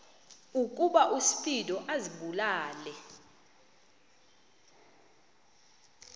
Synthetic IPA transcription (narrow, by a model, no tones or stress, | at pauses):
uk̬ʼuɓaʔusi̥fidʼɔʔaziɓulaːlɛ